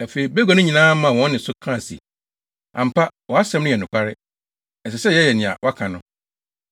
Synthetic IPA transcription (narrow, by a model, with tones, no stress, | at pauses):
æ˨fe˨i˨be˦ɡɔ˨nʊ̃˦ɲĩ˨nãː˦mã˨wɔ̃˦nːɪ̃˨sʊ˦kʰã˦˨sḭ˨ | ʔã˨m̩˨pʰa˦wɔ˨a˦sɛ̃˨˦mnʊ̃˦jɛ˨nʊ̃˨kʷʰa˦ɾɪ˦ | ɛ˨sɛ˨sɛ˦jɛ˦jɛ˨nɪ̃˨a̰˨wʔa˦kʰã˨nʊ̃˦